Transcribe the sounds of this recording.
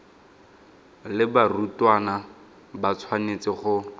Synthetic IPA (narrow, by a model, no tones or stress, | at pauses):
lɪbarutwana | bat͡sʰwanet͡sɪχʊ